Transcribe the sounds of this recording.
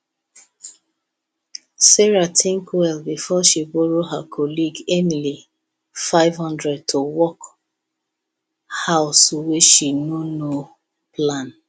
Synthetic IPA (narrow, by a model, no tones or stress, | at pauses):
sɛɹatʰĩŋkuɛlbifɔʃiboɹoɦakʰɔliɡẽnli | faɪvhɔ̃ndɹɛd̚tʰowɔk | haʊsuweʃinono | plãn